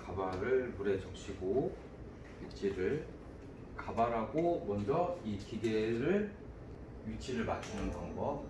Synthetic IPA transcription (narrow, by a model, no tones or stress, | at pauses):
kabaɾɯɭmuɾe̞t͡ɕʌk̚ɕ͈ʰiɡo | jut͡ɕʰiɾɯɭ | kabaɾɦaɡomwʌnd͡ʑʌikiɡeɾɯɭ | jut͡ɕʰiɾɯɭmat͡ɕ͈ʰinɯnkaŋɡʌ